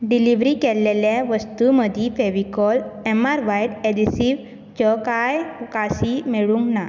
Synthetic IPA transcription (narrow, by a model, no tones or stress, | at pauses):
ɖiliʋɾikɛlːeljaʋəst̪uməd̪ʱifeʋikɔlɛmaɾʋajʈedisiʋ | t͡ɕɔkajukasimeɭuŋkna